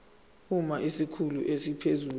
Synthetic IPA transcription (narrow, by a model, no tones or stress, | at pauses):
umaʔisikʰuluʔesipʰezuː